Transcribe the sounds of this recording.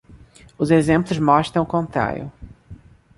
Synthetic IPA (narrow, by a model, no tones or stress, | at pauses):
ʊzezẽmplʊzmɔʃt̪ɾɐ̃w̃kõnt̪ɾa̰ɾj̰ʊ̰